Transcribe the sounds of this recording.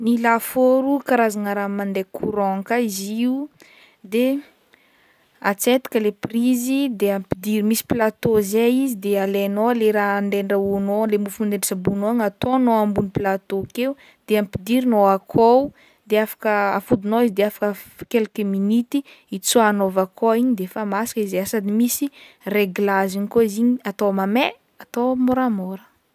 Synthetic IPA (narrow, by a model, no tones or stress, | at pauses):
nilafoɾukaɾazaŋaɾamand̪ekʰuɾoŋkaiziu | d̪e | at͡set̪i̥kəleprizid̪eampid̪iɾimisi̥plat̪ozeizid̪ealenoleɾaɳdeɳɖ͡ʐaunolemufmuneɳɖ͡ʐisabunoaŋat̪onoambuniplat̪okeu | d̪̥eampid̪iɾinoakʰow | d̪eafḁkəafud̪unoizid̪eafḁkəkelkeminit̪i | it͡suanovakʰoiɲid̪efamasḁkizeasad̪imisi | reɡlaziɲikoiziɲiat̪omame | at̪omoɾamoɾə̥